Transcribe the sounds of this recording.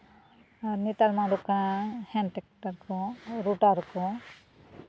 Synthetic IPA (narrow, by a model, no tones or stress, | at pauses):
aɾnit̪almaɾukãhɛnʈɛk̚ʈaɾkɔɾuʈaɾkɔ